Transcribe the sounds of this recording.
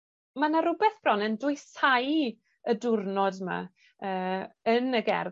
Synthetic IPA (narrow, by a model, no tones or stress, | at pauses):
manaɾʊbɛθb̥rɔnəndʊɨsaj | ədʊrnɔdma̰ | əːənəɡɛ̰r